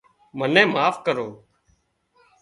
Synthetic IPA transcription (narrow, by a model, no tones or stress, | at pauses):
mənẽːmaːfkəɾoː